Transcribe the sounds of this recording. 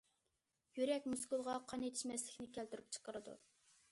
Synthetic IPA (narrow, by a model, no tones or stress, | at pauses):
jyɾɛkʲmuskulˠʁɑqʰɑnet̪ʰɪ̥ʃmɛslɪkʲnɪkʲælt̪yɾyp̚t͡ʃʰə̥qəɾɨd̪ṵ